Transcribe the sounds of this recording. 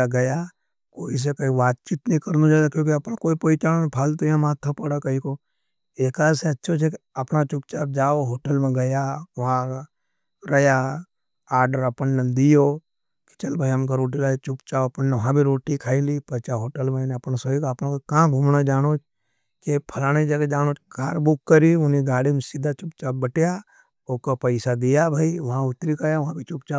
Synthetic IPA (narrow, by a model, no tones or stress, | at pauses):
aɡɐja | koːis̬ekoiʋaːt̪̚t͡ʃiːt̪nəĩkɐɾnud͡ʒaːd̪akjõːkiɐpnakoːipoːit͡ʃaːopʰaːlt̪oiãmaːt̪ʰːəpɐɽakɐiko | eːkaːɾseɐtːʃʰot͡ʃʰekeɐpnat͡ʃʊk̚t͡ʃab̚d͡ʒaːoɦoːʈəlmẽɡɐjaʋɐɦã | ɾɐja | aːɾɖəɾɐpənːed̪ijoː | ki̥t͡ʃɐlbʱaiɦɐmkaɾoːʈ̬ilat͡ʃʊpt͡ʃaːoɐpənːeʋɐɦãbʱiɾoːʈikʰaːilipɐt͡ʃaɦoːʈəlmẽneɐpnasoikɐpnãkokãːɡʱuːmnad͡ʒaːñoːt͡ʃ | kepʰɐlaːñed͡ʒɐɡed͡ʒaːñoːt͡ʃɡʱaːɾbʊkːəɾiʊniɡaːɽimesid̪ʱːat͡ʃʊpt͡ʃaːb̚bəʈja | oːkopəɪsad̪ijabʱaiʋɐɦãʊt̪ːɾikʰajaʋɐɦãbʱit͡ʃʊpt͡ʃaː